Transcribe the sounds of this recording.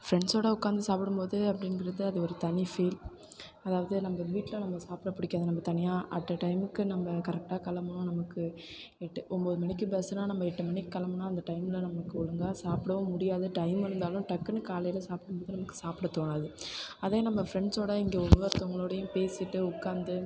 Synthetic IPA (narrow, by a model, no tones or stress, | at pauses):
fɪɾɛɳɖsoːɽɐʊkːaːnd̪ɐsaːpɪɽɯmpoːðɯɐpːɐɽɪnɡɪɾɐðɯɐðɯɔɾɯt̪ɐnifeːl | ɐðaːʋɐðɯnɐmbɐʋiːʈːɪlɐnɐmːɐsaːpɪɽɐpːʊɽɪkːaːðɯnɐmbɐt̪ɐnɪjaːʔɐ̰ʈːɐʈɐɪmɯkːɯnɐmbɐkɐɾɛk̚ʈaːkɐlɐmɐnʊ̃nɐmɐkːɯɛʈːɐʔɔmboːðɯmɐnɪkːɯbɛsɯnaːnɐmːɐɛʈːɐmɐnɪkːɯkːɐlɐmɐnːaːɐnd̪ɐʈɐɪmɪlɐnɐmɐkːɯɔɻɯŋɡaːsaːpɪɽɐʋɐmʊɽɪjaːðɯʈɐɪmɪɾɯnd̪aːlʊ̃ʈɐkːɐnɯkaːlɐjɪlɐsaːpɪɽɯmpoːðɯnɐmɐkːɯ̥saːpɪɽɐt̪oːnaːðɯɐðeːnɐmːɐfɾɛɳɖsoːɽɐɪŋɡeːɔʋʋɐɾt̪ɔŋɡɐɭoːɽɐjʊ̃peːsɪʈːɯʊkːaːnd̪ɯ